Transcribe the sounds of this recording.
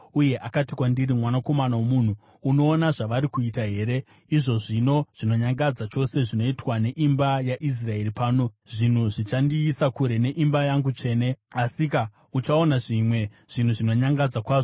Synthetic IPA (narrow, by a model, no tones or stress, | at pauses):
uje̞ʔakatikwandirimwanako̞manawomuːn̤uː | no̞ːnaʐaʋaɾikuitaɦe̞ːɾe̞ | iʐo̞ʐino̞ʐ̥ino̞ɲaŋɡad͡zat͡ʃo̞se̞ʐino̞itwane̞ʔimbajaʔis̬rae̞ripaːno̞ʐin̤uʐit͡ʃandiːsakuɾe̞ne̞ʔimbajaŋɡut͡ʂe̞ne̞asika | ut͡ʃao̞naʐimwe̞ | ʐ̥in̤uʐino̞ɲaŋɡad͡zakwaːʐo